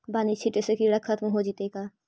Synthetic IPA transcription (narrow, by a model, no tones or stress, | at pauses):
baːnit͡ʃʰiʈesekiɽɐkʰːɐt̪mɦod͡ʒit̪ekaː